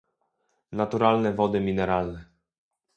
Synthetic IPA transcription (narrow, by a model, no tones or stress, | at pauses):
nat̪uɾalnɛvɔd̪ɘmʲinɛɾalnɛ